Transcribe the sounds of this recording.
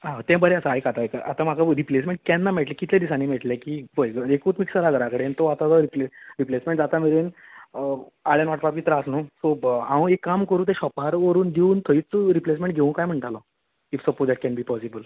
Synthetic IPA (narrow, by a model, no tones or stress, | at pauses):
ãt̪ɛ̃bəɾeasaajkat̪akaʔat̪ãm̤akʰaɾiplesmẽɳʈ̚kɛnːameʈlekit̪ʰljad̪isaniːmeʈljakiːbəjɡəekut̪miksəɾaɡəɾakəɽent̪oat̪at̪əɾipleɾiplesmẽɳʈ̚d͡zat̪ameɾen | aɭjanʋaʈpapit̪ɾaəsnosoaʋə̃ekːamkəɾũːt̪ɛ̃ɕɔpaɾʋəɾuːnd̪iuːnt̪ʰəit͡sɾiplesmẽɳʈ̚ɡʱeũkajm̤əɳʈalɔ | ifsəpoʈd̪ɛʈ̚kɛnbiːpɔsibəl